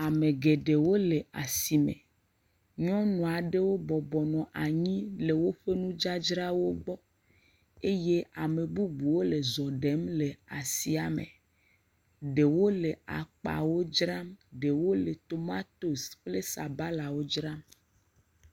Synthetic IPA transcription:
a˨mẽ˨ɡe˨ɖe˨wo˦le˨a˨si˨mḛ̃˨ | ɲɔ̃˦nɔ̃˨a˨ɖe˦wo˦bɔ˨bɔ˨nɔ̃˨ʔa˨ɲĩ˦le˨wo˦ɸe˦nũ˦d͡ʒa˦d͡ʒɾa˦wo˦ɡ͡bɔ˦ | e˦je˦a˨me˨bu˦ɡ͡bu˨wo˦le˨zɔ˨ɖe˨˦mle˨a˨si˨a˨mḛ̃˨ | ɖe˨wo˦le˨a̰˨k͡pa̰˨wo˦d͡ʒɾa˦mɖe˨wo˦le˨t̪o˨ma˦t̪o˨sɸle˦sa˨ba˦la˨wo˦d͡ʒɾa˦m

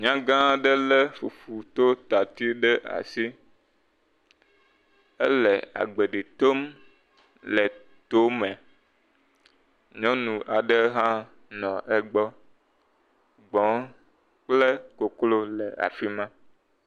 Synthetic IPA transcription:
ɲã˦ɡã˦ɖɛ˦lɛ˦fu˨fu˨t̪o˦t̪a˨t̪i˦ɖɛ˦ʔa̰˨si˦ | ɛ˦lɛ˨a̰˨ɡ͡be˨ɖi˨t̪o˦m | lɛ˨ | t̪o˦mɛ˨ | ɲɔ̃˦nũ˨ʔa˨ɖɛ˦ɦã˦ | nɔ̃˨ʔɛ˦ɡ͡bɔ˦ | ɡ͡bɔ̃˨˦ | k͡plɛ˦ko˨klo˦lɛ˨a̰˨fi˦mã˦

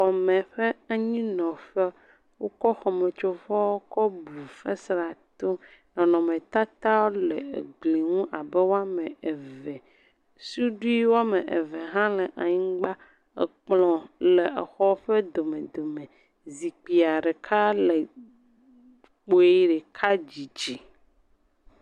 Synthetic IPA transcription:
xɔ˨mɛ̃˨ɸɛ˦a˦ɲĩ˦nɔ̃˨ɸɛ˦ | wo˦kɔ˦xɔ˨me˨t͡ʃo˨vɔ˦wo˦kɔ˦bu˨fɛ˦sɾa˨t̪o˦ | nɔ̃˨nɔ̃˨mẽ˨t̪a˦t̪a˦wo˦lɛ̰˨ɡ͡bli˨ŋũ˦ʔa˨bɛ˦wo˦a˦mɛ̃˨e˨vɛ˨ | su˦ɖu˦i˦wo˦a˦me˨ʔḛ˨vɛ˨ɦã˦lɛ˨ʔa˨ɲĩ˦ɡ͡ba˦ | ḛ˨k͡plɔ̃˨le˨e˨xɔ˦ɸɛ˦d̪o˨mẽ˨d̪o˨mẽ˨ | zi˨k͡pi˨a˨ɖɛ˨kʰa˦lɛ˨ | k͡po˨i˦ɖɛ˨kʰa˦d͡ʑi˨d͡ʒi˨

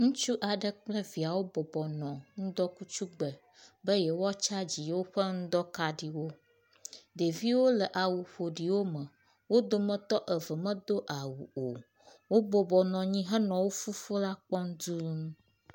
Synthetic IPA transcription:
ŋũ˦t͡ʃu˦ʔa˨ɖə˦k͡plə˦vi˨a˨wo˦bɔ˨bɔ˨nɔ̃˨ŋ̩̃˦d̪ɔ˦ku˦t͡ʃu˦ɡ͡bə˨ | bə˦jɛ˨wo˦a˦t͡ʃa˦d͡ʑi˨wo˦ɸə˦ŋ̩̃˦d̪ɔ˦ka˨ɖi˨wo˦ | ɖ̪e˨vi˦wo˦lə˨ʔa˨wu˨ɸo˨ɖi˨wo˦mə̃˨ | wo˦d̪o˦mə̃˦t̪ɔ˦ʔə˨və˨mə̃˦d̪o˦ʔa˨wṵ˨o˨ | wo˦bɔ˨bɔ˨nɔ̃˨ɲĩ˦ɦɛ˦nɔ̃˨wo˦fu˦fo˦la˦k͡pɔ˦ŋ˦d̪u˦ŋ˦

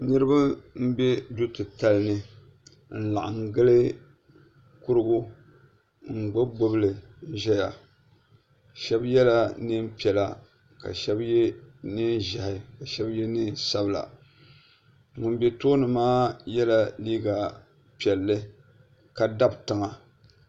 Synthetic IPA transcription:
nɨ˦ɾɨ˦ba˦m̩˦be˦du˦tɨ˨ta˨lnɨ˦ | n̩˨la̰˨ʔa˨ŋ˨ɡɨ˦lɨ˦ | kʊ˦ɾɨ˦ɡʊ˦ | ŋ̩˨ɡ͡bo˦bo˦bɨ˦lɨ˨n̩˦ʒɛ˦ja˨ | ʃɛ˦bjɛ˦la˦nɨ˦mpi˨ɛ˨la˨ | ka̰˨ʃɛ˦bjɛ˦nɨ˦n˦ʒa˨hɪ˨ka˨ʃɛ˦bjɛ˦nɨ˦n˦sa˦bla̰˨ | ŋʊ˨n˦be˦to˦nɨ˨maː˦jɛ˦la˨liː˦ɡa˨ | pi˨ɛ˨lːɨ˦ | ka˨da˦btɨ˨ŋa˨

